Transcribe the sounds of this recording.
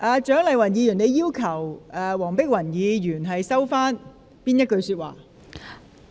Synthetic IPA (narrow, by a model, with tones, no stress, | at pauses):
ʔaː˨˧t͡ʃœː˨˥ŋlɐ˨jwɐ˨˩njiː˨˧jyː˨˩ne˨˧jiː˥wkʰɐ˨˩wʔɛː˧wɔː˨˩ŋpɪ˥k̚wɐ˨˩njiː˨˧jyː˨˩nɦɐ˨jsɐ˥wfaː˥n | piː˥njɐ˥t̚kɵ˧ɥsy˧t̚wa̰ː˨˩